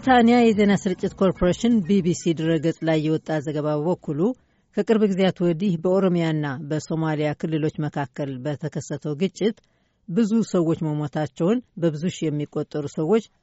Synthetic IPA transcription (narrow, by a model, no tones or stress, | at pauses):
bt̪ʰanijajɛze̞nasɨɾɨt͡ʃʼːɪt̪kʰo̞ɾpʰoɾeʃɪnbibisid̪ɨɾəɡəsʼlajːɛwɔt̪ʼːazəɡəβabəβokːulu | kʰəkʼɨɾβɨɡɨzjat̪wɔd̪ihbəoɾo̞mijaɨnːabəso̞malijakʰɨlːɨlo̞t͡ʃːməkʰakːəlbət̪ʰəkʰəsːət̪ʰəwɡɨt͡ʃʼːɪt̪ | bɨzusəwːo̞t͡ʃːməmot̪ʰat͡ʃːɛwnbəβɨzuʃijɛmːikʼot̪ʼːəɾusəwːo̞t͡ʃː